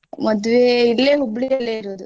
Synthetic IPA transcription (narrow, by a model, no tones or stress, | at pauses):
mɐd̪uʋeilːeːɦubːɽijɐlːeːiɾoːd̪u